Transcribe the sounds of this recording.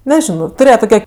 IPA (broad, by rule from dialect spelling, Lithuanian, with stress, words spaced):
nʲɛˈʒʲɪnoː tʊˈrʲeːjɛ tʊˈkʲɛ